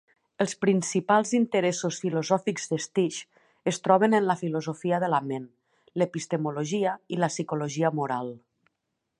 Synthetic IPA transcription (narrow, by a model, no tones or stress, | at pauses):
əlˠspɾinsipalˠzint̪əɾesusfilozɔfikzðest̪iʃ | əst̪ɾɔβ̞ənənləfilozofiəðəlamen | lepist̪emuloʒiəiləsikuloʒiəmuɾalˠ